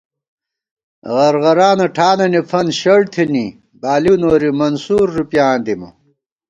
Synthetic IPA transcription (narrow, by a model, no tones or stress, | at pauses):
ʁɐɾʁɐɾaːnɐʈʰaːnɐnifʰɐnɕɐɽt̪ʰini | baːlinoːɾimɐnsuːɾːupjaːnd̪imṵ